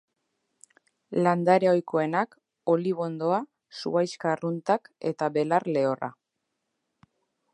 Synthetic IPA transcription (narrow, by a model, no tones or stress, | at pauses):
land̪aɾeo̞jko̞e̞nak | o̞liβo̞nd̪o̞a | sṵajskarunt̪ake̞̰t̪aβe̞larle̞o̞ra̰